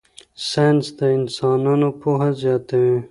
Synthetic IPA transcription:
sɑjnsd̪əɪnsɑːnɑnopoɦazjɑːt̪awe

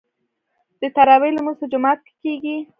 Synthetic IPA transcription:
d̪̥ət̪aɾɑwelamusʊd͡ʒʊmɑt̪̚ke̥keɡi

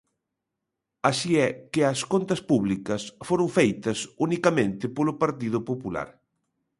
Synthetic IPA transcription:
asiɛkɪɐskont̪ɐspuβlikɐsfoɾʊŋfejt̪ɐsunikɐmẽnt̪ɪpolʊpaɾt̪ið̞ʊpopula̰ɾ

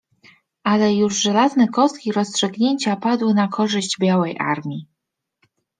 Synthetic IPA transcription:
ʔalɛjuʐʐɛlaznɛkɔst̪̚kʲiɾɔstʂɘɡɲeɲt͡ɕapad̪wɘnakʰɔʐɘʑd͡ʑbʲjawɛjʔa̰ɾmʲi

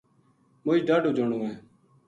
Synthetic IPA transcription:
mʊːiːɖaːɖuːd͡ʒoɳuːɛ̃ː

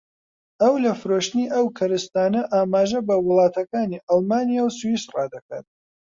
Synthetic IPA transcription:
ɐwlɐfɨɾoːʃt̪ɨniːʔɐwkʰɐɾɨst̪aːnɐʔaːmaːʒɐbɐwɨlˠɑːt̪ʰɐkaːniːʔɑlˠmaːnijawsuwisrɑ̰ːd̪ɐka̰t̪̚

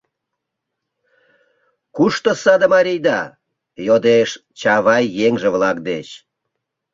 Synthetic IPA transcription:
kuʃt̪osɑd̪əmɑɾʲijd̪ɑ | jod̪eʃt͡ɕɑβɑjːeŋʒeβlɑk̚d̪et͡ɕ

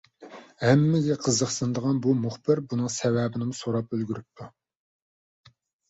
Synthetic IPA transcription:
hæmːɪɡ̪ʲɛqʰəzəχsɨnd̪əʁɑnbumuχbɪɾbunɨŋsɛvɛbɪnɪmusoɾɑpølɡʲyɾyp̚t̪ʰːu

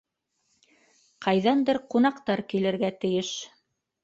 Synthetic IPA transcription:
qʰɑjðɑnd̪ɤɾqunɑqt̪ɑɾkilɘ̆ɾɡæt̪ɘ̆jɘʃ

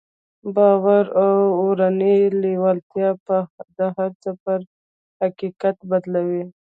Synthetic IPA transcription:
bɑwaɾawoɾanijlewalt̪jɑpəd̪əhaɾt͡səpəɾ | haqikat̪bad̪lawi

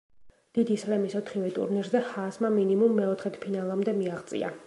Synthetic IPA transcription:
d̪̥id̪islɛmisɔt̪ʰχivɛt̪ʼṵɾniɾzɛhasmaminimumːɛɔt̪ʰχɛt̪ʰpʰinalˠamd̪ɛmiaʁt̪sʼḭa̰

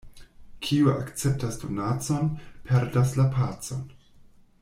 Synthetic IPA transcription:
kʰiua̰kt͡se̞p̚tasdo̞nat͡so̞npʰe̞ɾdaslapʰat͡so̞n

